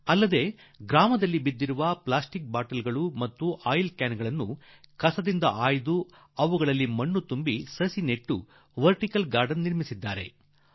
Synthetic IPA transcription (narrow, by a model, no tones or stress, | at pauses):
ɐlːɐd̪e̞ː | ɡɾaːmɐd̪ɐlːibid̪ːiɾuʋɐplaːsʈik̚baːʈɐlɡɐɭumɐt̪ːuʔaːjlkaːnɡɐɭɐnːu | kɐsɐd̪ind̪ɐʔaːjid̪u | ɐʋuɡɐɭɐlːimɐɳːut̪umbisɐsineʈːṵ | ʋɐɾʈikɐlɡaːɾɖɐnːiɾmisid̪ːaːɾe̞̰